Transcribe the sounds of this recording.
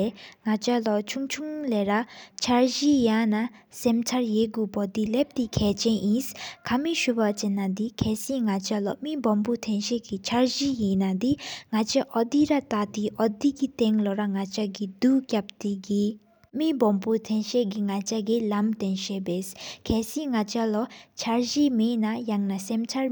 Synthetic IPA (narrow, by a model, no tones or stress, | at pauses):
eŋat͡ɕalɔt͡ʃʰuŋt͡ʃʰuŋlɛɾat͡ʃʰaɹʑijãnasɛmt͡sʰaɹjeɡupɔd̪ilep̚t̪ikʰɛt͡ɕɛnʔĩskʰamiʃupat͡ɕenːad̪ikʰɛsĩŋat͡ɕalɔmibɔmput̪ʰɛnɕeɡit͡ɕʰaɹʑijinad̪iŋat͡ʃaʔɔd̪iɾat̪at̪iʔɔd̪iɡit̪ɛŋlɔɾaŋat͡ʃaɡid̪ukjap̚t̪iɡi | mibɔmput̪ʰɛnʃɛɡiŋat͡ʃaɡilamt̪ɛnʃɛbeskʰɛsĩŋat͡ʃalɔt͡ʃʰaɹd͡ʒimenajaŋnasɛmt͡ʃʰaɹ